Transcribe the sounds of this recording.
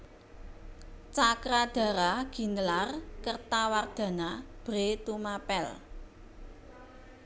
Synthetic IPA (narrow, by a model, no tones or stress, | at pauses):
t͡ʃakɾad̪̥ä̤ɾaɡ̥i̤nəlarkərt̪award̪̥ä̤nab̥ɾet̪umapɛl